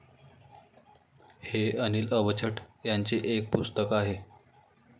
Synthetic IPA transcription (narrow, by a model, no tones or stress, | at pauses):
heəniːləʋət͡ɕʰəʈjaɲt͡ɕiːʔek̚pust̪əkaɦe